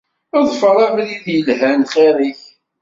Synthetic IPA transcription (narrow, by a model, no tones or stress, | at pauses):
əðˤfəɾˤæmɾiðjəlɦænχæɾiç